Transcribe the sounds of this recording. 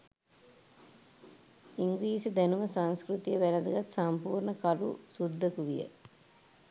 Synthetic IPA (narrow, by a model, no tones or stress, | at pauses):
iŋɡɾiːsəd̪ænuməsanskɾut̪ijəʋælad̪ɐɡat̪sampuːɾɳəkalusud̪ʱːəkuʋijə̰